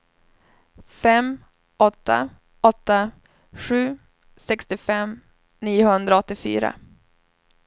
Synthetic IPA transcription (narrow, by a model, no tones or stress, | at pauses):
fɛmː | ɔt̪ːa̰ | ɔt̪ːa | ɧʉ̟ː | sɛkst̪ɪfɛm | niːʊhɵnd̪ɾaɔt̪ːɪfy̰ːɾa̰